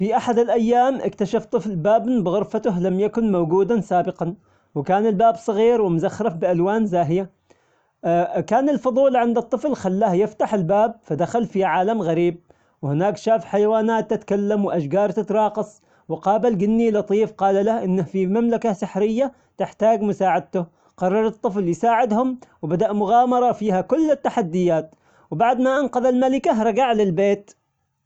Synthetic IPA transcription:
fiʔaħad̪ɪlʔajːaːmʔɪ̰kt̪aʃaft̪ˤɨflbaːbnbɪɣʊɾfat̪ʊɦlamjakʊnmawɡuːd̪ansaːbɪqɑn | wɪkaːnɪlbaːbsˤɨɣiːɾwɪmʊzaxɾˤɑfbɪʔalwaːnzaːɦja | kaːnɪlfɑd̪ˤuːlʕɪnd̪ɨt̪ˤːɨflxalːaːhjɪft̪aħɪlbaːb̚fad̪axalfiʕaːlamɣaɾiːb̚ | whɪnaːkʃaːfħajawaːnaːt̪ːɪt̪kalːamwʔaʃɡɑːɾˤt̪ɪt̪ɾˤɑːqɑsˤ | wɪqɑːbalɡɪnːilɑt̪ˤiːfqɑːlalahʔɪnːahfimamlakasɪħɾɪjːa | t̪ɪħt̪aːɡmʊsaːʕɪd̪̚t̪ʊ | qɑrˤːɑɾˤɨt̪ˤːɨfljsaːʕɪd̪hʊmwbad̪aʔmʊɣɑːmɑɾˤɑfiːhakʊlːɪt̪ːaħad̪ːɪjaːt̪ | wbaʕd̪maʔanqɑðalmalɪkaɦɾˤɑɡaʕlɪlbeːt̪

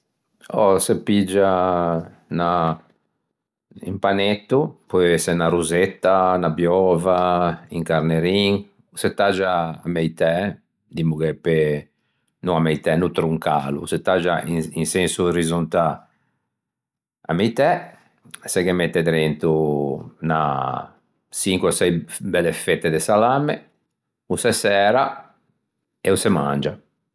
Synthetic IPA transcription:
ɔsepid͡ʒːa | na | ḭmpanet̪ːupɔɛsɛnaɾuzet̪ːanabjɔːvaiŋkaɾneɾiŋ | set̪ːad͡ʒa̰ːmɛjt̪ɛ | d̪imukɛpːe | nuamːɛjt̪ɛnut̪ɾuŋkaːlṵset̪ːad͡ʒaiinsensuɾizunt̪a | a̰mɛjt̪ɛ | sɛkemːet̪ːɛd̪ɾent̪u | na̰ | siŋkwɛsɛjbɛlːefet̪ːed̪esalamːe | usɛsɛːɾa | ɛusɛma̰nd͡ʒa

